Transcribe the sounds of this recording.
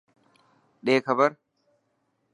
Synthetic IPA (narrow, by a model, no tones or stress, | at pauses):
ᶑeːkɐbɐɾ